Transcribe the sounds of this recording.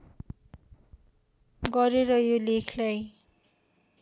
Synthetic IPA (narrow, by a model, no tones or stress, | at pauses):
ɡʌɾeɾʌjolekʰlaj